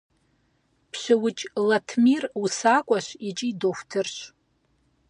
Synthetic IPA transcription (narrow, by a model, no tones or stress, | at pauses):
pʰʃʷɪwʊt͡ʃʼlatʰmirusakʷʼaʃʷit͡ʃʼidofʷtʰɨrʃ